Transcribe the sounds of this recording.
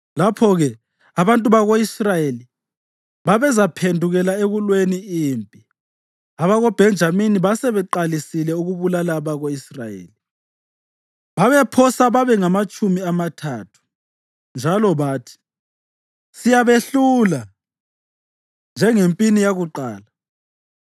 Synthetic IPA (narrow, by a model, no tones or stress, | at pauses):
lapʰɔɣɛ | aβantʼuβaɣoisrajeli | βaβɛzapʰendʱuɣɛlaeɣulweniiːmpʼi | aβaɣɔb̥ʱɛnd͡ʒʱaminiβasɛβɛǃalisilɛuɣuβulalaβaɣoisrajḛːli | βaβɛpʰɔsaβaβɛŋamat͡ʃʼumiamatʰatʰu̥ | nd͡ʒʱalɔβaːtʰi̥ | sijaβeɬula | nd͡ʒʱɛŋempʼinijaɣuǃaːla